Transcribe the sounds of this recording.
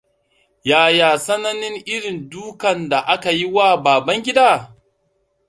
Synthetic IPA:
jaː˨jaː˨sɐ˦nɐ˦nɪ˦ŋʔɪ˦ɽɪ˨nduː˦kɐ˨nda˨ʔa˦ka˨ji˦waː˦˨baː˨bɐ˦ŋɡʲɪ˦daː˦˨

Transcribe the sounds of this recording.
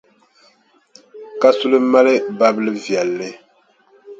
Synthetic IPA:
ka˦su˦lɨ˦ma˦lɨ˦ba˦bɨ˦lɨ˦vjɛ˨lːɨ˦

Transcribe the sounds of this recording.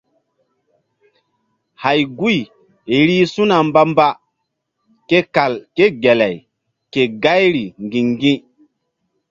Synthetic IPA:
ha˨jɡu˦j | e˨ɾi˦su˦na˨mba˦mba˦ | ke˦ka˨lke˦ɡe˨la˨j | ke˨ɡa˦jɾi˨ŋɡĩ˨ŋɡĩ˦

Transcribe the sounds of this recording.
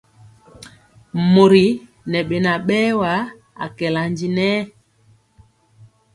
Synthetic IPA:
mo˨ɾi˨ | nɛ˨ɓe˨na˨ɓɛː˦wa˨˦ | a̰˨kɛ˨la˨nd͡ʒi˨nɛː˦

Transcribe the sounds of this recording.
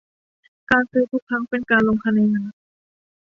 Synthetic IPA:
kaː˧nsɯː˧˥p̪ʰu˥˩kʰa˦˥ŋpe˧nkaː˧nloː˧ŋpʰa˧˩na˧˩naː˧˦

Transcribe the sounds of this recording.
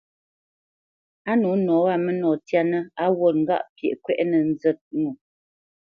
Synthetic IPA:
a˦nu˨˦nɔ˨˦ɣa˦˨mə˦nɔ˨tja˦nə˦a˦wo˦˨t̚ŋ̩˦ɡa̰˦˨ʔpjɛ̰˨ʔkwɛ˦ʔnə˨n̩˦zɛ˦t̚ŋu˨

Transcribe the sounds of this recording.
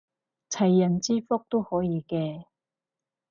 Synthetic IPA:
t͡sʰɐ˨˩jːɐ˨˩nt͡siː˥fɔ˥k̚t̪o˥whɔː˨˥jiː˨˧kɛː˧

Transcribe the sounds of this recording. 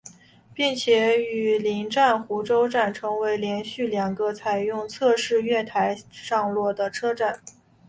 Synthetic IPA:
pi˥˩ŋt͡ɕʰjɛ˧˩˦y˨˩li˧˥ŋʈ͡ʂa˥˩nxu˧˥ʈ͡ʂo˥ʊʈ͡ʂa˥˩nʈ͡ʂʰɤ˧˥ŋwe˧˥ɪljɛ˧˥nɕy˥˩ljɑ˨˩ŋɡə˦t͡sʰa˨˩ɪjʊ˥˧ŋt͡sʰɤ˥˧ʂɻ̩˥˧ɥɛ˥˩t̪ʰa˧˥ɪʂɑ˥˧ŋlwɔ˥˩d̪ə˩ʈ͡ʂʰɤ˥ʈ͡ʂa˥˩n

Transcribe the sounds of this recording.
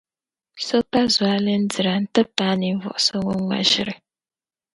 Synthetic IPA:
so˦pa˦zwa˦lɨ˦n̩˦dɨ˨ɾa˨n̩˦tɨ˦paː˦ni˨ɱ˦vɔ̰˨ʔʊ˨so˦ŋo˦ŋa̰˨ʒɪ˦ɾɨ˨

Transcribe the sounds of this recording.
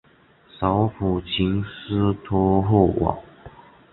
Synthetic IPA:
sɑ˧˥˦ʊfu˨˩t͡ɕʰi˧˥ŋs̩˥t̪ʰɔ˥ɦo˥˩wʔɑ̰˨˩˦ŋ

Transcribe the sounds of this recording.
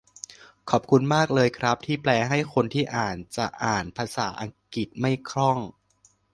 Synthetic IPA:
kʰɔː˨˩p̚kʰu˧nmaː˥˩k̚lɤː˧jkʰɾa˦˥p̚t̪ʰiː˥˩plɛː˧ɦa˥˩jkʰo˧nt̪ʰiː˥˩ʔaː˨˩nt͡ɕa˨˩ʔaː˨˩npʰaː˧saː˩˦ʔa˧ŋki˨˩t̪̚ma˥˩jkʰɾɔ˥˩ŋ

